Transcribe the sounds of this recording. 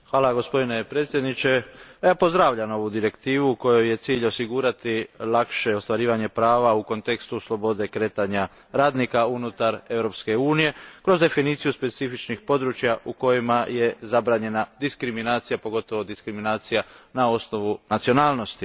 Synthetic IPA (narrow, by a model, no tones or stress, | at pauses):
xʋaːlaɡo̞spo̞d̪ine̞pɾet̪sje̞d̪nit͡ʃe̞jaːpo̞zd̪ɾaʋʎamo̞ʋud̪iɾe̞kt̪iːʋuko̞joje̞t̪siːʎo̞siɡuːɾat̪ilakʃe̞o̞st̪ʋaɾiːʋaɲe̞pɾaːʋauko̞nt̪e̞kst̪uslˠo̞bo̞d̪e̞kɾe̞ːt̪aɲa | ɾaːd̪nikaunut̪aɾe̞ʋɾo̞pske̞uːnije̞kɾo̞zd̪e̞finiːt̪sijuspe̞t̪sifit͡ʃnixpo̞d̪ɾut͡ʃjaʔuko̞jimaje̞zabɾaːɲe̞nad̪iskɾiminaːt̪sijapo̞ɡo̞t̪oʋo̞d̪iskɾiminaːt̪sijanao̞sno̞ʋunat̪sio̞naːlˠno̞st̪i